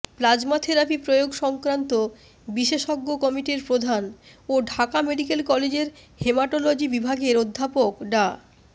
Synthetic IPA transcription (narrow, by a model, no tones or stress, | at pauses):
plad͡ʑmat̪ʰeɾapʰipɾojoɡʃɔŋkɾant̪o | biʃeʃɔɡːokɔmiʈiɾpɾod̪ʱanoɖʱakameɖikelkɔled͡ʑeɾhemaʈolod͡ʑibibʱaɡeɾod̪ʱːapokɖa